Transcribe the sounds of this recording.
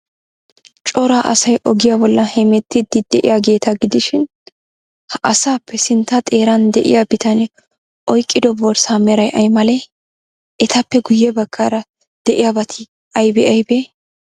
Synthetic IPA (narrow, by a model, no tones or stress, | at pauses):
t͡ʃʼɔɾaːʔɐ̰sɐjʔɔɡɪjabɔlːɐhɛmɛt̪ːɪd̪ɪd̪ɛʔɪ̰jaɡe̞ːt̪ɐɡɪd̪ɪʃɪn | hɐʔɐsaːpːɛsɪnt̪ːɐt̪ʼe̞ːɾɐnd̪ɛʔɪ̰jabɪt̪ɐnɛ | ʔɔjkʼːɪd̪ɔbɔɾsaːmɛɾɐjʔɐjmɐlɛ | ʔɛt̪ɐpːɛɡʊjːɛbɐkʰːaɾɐ | d̪̥ɛʔɪjabɐt̪ʰɪ | ɐjbɛʔɐjbe